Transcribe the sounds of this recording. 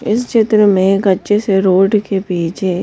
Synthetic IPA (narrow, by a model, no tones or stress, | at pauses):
ɪst͡ʃɪt̪ɾəmẽɡɐtːʃeseɾoːɖkepiːt͡ʃʰe